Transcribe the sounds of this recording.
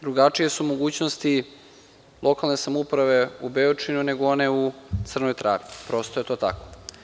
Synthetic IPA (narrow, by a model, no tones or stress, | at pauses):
d̪ɾuɡat͡ʂije̞sumo̞ɡuːt͡ɕnost̪i | lˠʔo̞kalˠne̞samupɾaʋe̞ubeot͡ʂinune̞ɡooneut̪sr̩nojt̪ɾʔa̰ːʋipɾo̞ːst̪oje̞t̪o̞ːt̪ako̥